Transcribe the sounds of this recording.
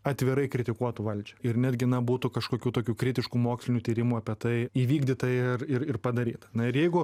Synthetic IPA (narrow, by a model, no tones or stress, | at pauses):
ɐt̪ʲʋʲɪɾɐɪkɾʲɪt̪ʲɪkuɔt̪ʊʋɐlʲd͡ʒʲɛɪrnʲæːd̪ʲɡʲɪnɐbuːt̪ʊkɐʃkoːkʲuːt̪oːkʲuːkɾʲɪt̪ʲɪʃkuːmoːksʲlʲɪnʲuːt̪ʲiːɾʲɪmuːɐpʲiɛt̪ɐɪiːʋʲiːɡd̪ʲiːt̪ɐrɪrɪrpɐd̪ɐɾʲḭːt̪ɐnɐɪɾjɛɪɡʊ